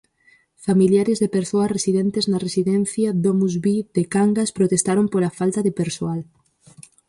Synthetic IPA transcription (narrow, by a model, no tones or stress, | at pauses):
familjaɾezðepeɾsoɐresiðent̪eznaresiðɛn̟θjaðomuzβiðekaŋɡaspɾot̪est̪aɾompoɾafalt̪aðepeɾsoal